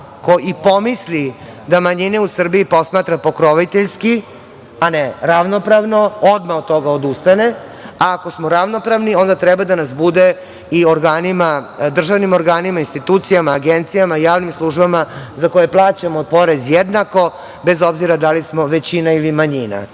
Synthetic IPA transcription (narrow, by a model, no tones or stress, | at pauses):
ko̞ipo̞misli | d̪amaɲineusr̩biipo̞smaːt̪ɾapo̞kɾoʋit̪eʎski | aneɾaʋno̞pɾaʋno̞od̪maot̪t̪ːo̞ɡaod̪ust̪ane | aːko̞smo̞ɾaʋno̞pɾaʋnio̞nd̪at̪ɾɛbad̪anasbud̪e | ioɾɡaːnimad̪r̩ʒaʋnimo̞ɾɡaːnimainst̪it̪uːt̪sijamaːɡent̪sijamaijaːʋnimslˠuʒbamazako̞jeplˠaːt͡ɕamoːd̪̚po̞ɾe̞zjed̪nako̞ | be̞zo̞bziɾad̪alismo̞ʋet͡ɕinailimaɲina̰